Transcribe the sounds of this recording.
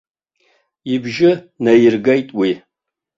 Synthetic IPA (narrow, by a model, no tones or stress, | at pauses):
jɪbʒɪ | nɐjɪrɡɐjtʼwi